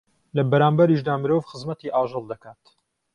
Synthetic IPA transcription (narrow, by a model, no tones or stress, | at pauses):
lɐbɐɾaːmbɐɾiʃd̪aːmɨɾoːvxəzmɐt̪iːʔaːʒɨlˠd̪ɐkaːt̪